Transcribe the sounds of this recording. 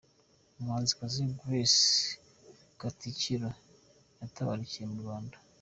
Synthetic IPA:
omhaːnzikaziɡwes | ɡ̥aticiɾa | jataβa̰ɾiciemuɾwaːnda

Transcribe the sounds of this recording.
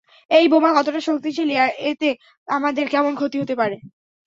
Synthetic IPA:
ejbomakɔt̪oʈaʃok̚t̪it͡ɕʰeliaet̪e | amad̪eɾkɛmonkʰot̪iɦot̪epaɾe

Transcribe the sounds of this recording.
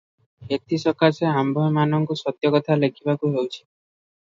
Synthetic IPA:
et̪ʰisɔkaseambʱɔmanɔŋkusɔt̪jɔkɔt̪ʰalekʰibakuɦewt͡ʃʰi̥

